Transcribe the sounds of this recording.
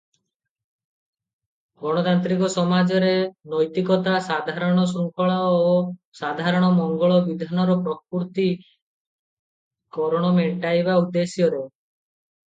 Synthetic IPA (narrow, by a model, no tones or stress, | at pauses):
ɡɔɽ̃ɔt̪ant̪ɾikɔsɔmad͡ʒɔɾenɔjt̪ikɔt̪asad̪ʱaɾɔɽ̃ɔs̬ɾuŋkɔɭɔosad̪ʱaɾɔɽ̃ɔmɔŋɡɔɭɔbid̪ʱanɔɾɔpɾɔpuɾt̪i | kɔɾɔɽ̃ɔmeʈajbaud̪ːesjɔɾe